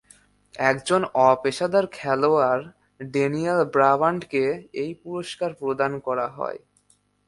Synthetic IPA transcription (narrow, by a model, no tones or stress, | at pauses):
ɛkd͡ʑonɔpeʃad̪aɾkʰɛloaɾ | ɖenialbɾabaɳɖkeejpuɾoʃkaɾpɾod̪ankɔɾaɦɔ̰e